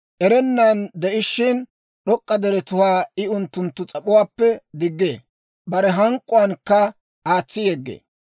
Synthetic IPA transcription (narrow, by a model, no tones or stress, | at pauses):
ʔɛɾɛnːɐnd̪ɛʔɪʃːɪn | ɗɔkʼːɐd̪ɛɾɛt̪ʊwaːɪʊnt̪ːʊnt̪ːʊt͡sʼɐpʼʊwaːpːɛd̪ɪɡːeː | bɐɾɛɦɐŋkʼːʊwɐnkːɐ | aːt͡sːɪjeɡːḛː